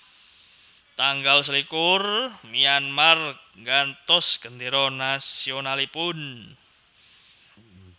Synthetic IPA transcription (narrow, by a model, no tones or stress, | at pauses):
t̪aŋɡals̬əlikʊrmianmark̚ŋɡant̪ɔsɡ̥ənd̪iɾɔnasionalipʊn